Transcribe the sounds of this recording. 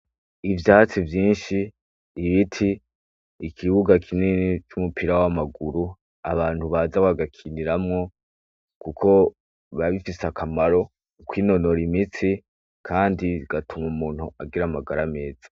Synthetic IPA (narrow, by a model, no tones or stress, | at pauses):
ivjaːt͡sivjiːnʃi | ɾiβitʰiː | kʰiβuɡakʰinenit͡ʃumupiɾawamaɡuɾu | aβaːn̥huβaːzaaɡakʰiniɾamŋo̞ | kukʰo̞ | βaβifisakʰamaɾo̞ | kwiːno̞no̞ɾimit͡si | kʰaːndiɡ̥atʰumumuːn̥uaɡiɾamaɡaɾame̞ːz̥ḁ